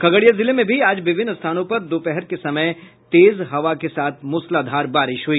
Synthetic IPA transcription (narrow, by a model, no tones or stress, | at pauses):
kʰɐɡəɽijazɪlemẽbʱiaːd͡ʒʋɪbʱɪnːəst̪ʰaːnõpɐɾd̪oːpɛɦɛɾkesɐməj | t̪eːzɦɐʋakesaːt̪ʰmʊslaːd̪ʱaːɾbaːɾɪʃɦʊiː